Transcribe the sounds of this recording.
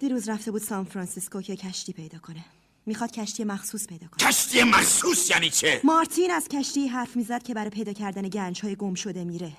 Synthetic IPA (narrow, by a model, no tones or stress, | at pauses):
d̪̥iɾuːzɾæft̪e̞buːd̪sɒnfɾɒnsisko̞cʰe̞cʰæʃt̪iːpʰe̞jd̪ɒːkʰo̞ne | mixɒːd̪̥cʰæʃt̪ije̞mæxsuːspʰe̞jd̪ɒːkoæʃt̪ʰijemæχsuːsjæːniːt͡ʃʰemɒɾt̪ʰinæz̥cʰæʃt̪iːɦæɾfmiːzæd̪̥̚cʰe̞bæɾɒːjpʰe̞jd̪ɒːcʰæɾd̪æne̞ɟænd͡ʒhɒːjeɡo̞mʃo̞d̪e̞miːɾe